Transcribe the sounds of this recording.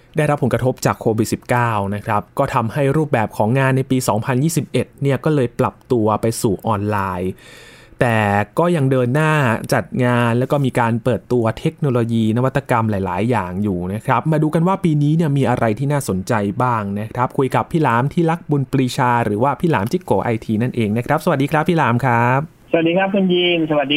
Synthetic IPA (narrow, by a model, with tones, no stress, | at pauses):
da˥˩jɾa˦˥pʰːo˩˦ŋkɾa˧t̪ʰo˦˥p̚t͡ɕaː˨˩kʰoː˧wi˨˩t̪̚si˨˩p̚kaː˥˩wna˦˥kʰɾa˦˥p̚kɔː˥˩t̪ʰa˧mha˥˩jɾuː˥˩p̚bɛː˨˩p̚kʰɔː˩˦ŋːaː˧nːa˧jpiː˧sɔː˩˦ŋpʰa˧njiː˥˩si˨˩p̚ʔe˨˩t̪̚ni˥˩ɐkɔː˥˩lɤː˧jpla˨˩p̚t̪u˧ɐpa˧jsuː˨˩ʔɔː˧nlaː˧j | t̪ɛː˨˩kɔː˥˩ja˧ŋdɤː˧nːaː˥˩t͡ɕa˨˩t̪̚ŋaː˧nlɛː˦˥wkɔː˥˩miː˧kaː˧npɤː˨˩t̪ːu˧ɐt̪ʰe˦˥k̚noː˧loː˧jiː˧na˦˥wa˦˥t̪ːa˧ka˧mlaː˨˦jlaː˩˦jːaː˨˩ŋjuː˨˩na˦˥kʰɾa˦˥p̚maː˧duː˧ka˧nwaː˥˩piː˧niː˦˥ni˥˩ɐmiː˧ʔa˧ɾʔa˧jt̪ʰiː˥naː˥˩so˩˦nt͡ɕa˧jbaː˥˩ŋna˦˥kʰɾa˦˥p̚kʰu˧jka˨˩pʰːiː˥˩laː˩˦mt̪ʰiː˥˩la˦˥k̚bu˧npɾiː˧t͡ɕʰaː˧ɾɯː˩˦waː˥˩pʰiː˥˩laː˩˦mt͡ɕi˦˥˩koː˨˦˥ʔa˧jt̪ʰiː˧na˥˩nʔeː˧ŋna˦˥kʰɾa˦˥p̚sa˧wa˨˩diː˧kɾa˦˥pʰːiː˥˩laː˩˦mkʰɾaː˦˥p̚ | sə˨˩a˨˩diː˧kʰa˦˥p̚kʰu˧njiː˧nsa˧wa˨˩t̚diː˧